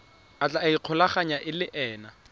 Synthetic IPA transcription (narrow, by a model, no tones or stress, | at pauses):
at͡ɬʼaiq͡χʰʊlaχaɲaʔɪlɪʔɛːna